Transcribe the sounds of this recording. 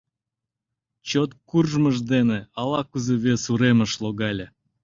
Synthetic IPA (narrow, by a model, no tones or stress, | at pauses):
t͡ɕot̪̚kurʒməʒd̪eneɑlɑkuzeβʲesuɾeməʃloɣɑlʲe